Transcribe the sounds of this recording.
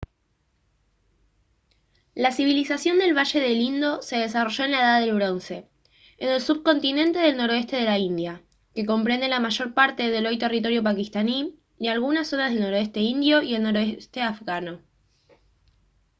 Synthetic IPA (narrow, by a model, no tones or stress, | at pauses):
lasiβ̞ilisasjo̞nd̪e̞lβaʃe̞ðe̞lind̪o̞se̞ð̞e̞s̬aro̞ʒo̞e̞nlaeðaðe̞lβ̞ɾo̞nse̞ | ene̞lsuβko̞nt̪inẽ̞nt̪e̞ð̞e̞lno̞ɾo̞e̞st̪e̞ð̞e̞laind̪ja | ke̞ko̞mpɾe̞nd̪e̞lamaʃo̞ɾpaɾt̪e̞ðe̞lo̞jt̪e̞rit̪o̞ɾjo̞pakist̪ani | dealɣunasːo̞nazðe̞lno̞ɾoest̪e̞ind̪jo̞ie̞lno̞ɾoest̪e̞afɣano̞